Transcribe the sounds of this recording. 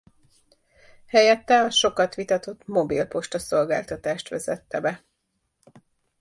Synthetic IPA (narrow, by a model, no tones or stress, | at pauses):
hɛjɛt̪ːɛlɒʃo̞kɒt̪ʋit̪ɒt̪o̞t̪ːmo̞bilpo̞ʃt̪ɒso̞lɡaːlt̪ɒt̪aːʃt̪ʋɛzɛt̪ːɛbɛ